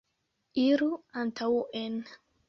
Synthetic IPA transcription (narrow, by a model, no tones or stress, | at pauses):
iɾuantʰawʔen